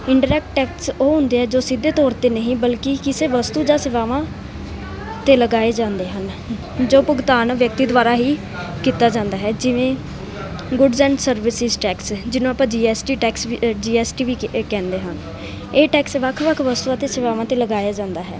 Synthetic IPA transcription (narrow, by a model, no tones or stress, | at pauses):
ɪɳɖəɾɛːk̚ʈʈɛːksoːɦʊ̃nd̪eːɦɛːd͡ʒoːsɪd̪ːeːt̪ɔːɾt̪eːnəɦĩːbəlkikɪseːʋəst̪uːd͡ʒaːsɪʋaːʋãː | t̪eːləɡaːeːd͡ʒãːnd̪eːɦən | d͡ʒoːpʊɡt̪aːnʋjək̚t̪iːd̪ʋaːɾaːɦiː | kiːt̪aːd͡ʒãːnd̪aːɦɛːd͡ʒɪʋẽː | ɡʊɖzɛ̃ːɳɖsəɾʋɪsɪzʈɛːksd͡ʒɪnõːapãːd͡ʒiːɛːsʈiːʈɛːksd͡ʒiːɛːsʈiːʋiːkɛ̃ːnd̪eːɦən | eːʈɛːksʋəkʰʋəkʰʋəst̪uːãːt̪eːsɪʋaːʋãːt̪eːləɡaːjaːd͡ʒãːnd̪aːɦɛ̰ː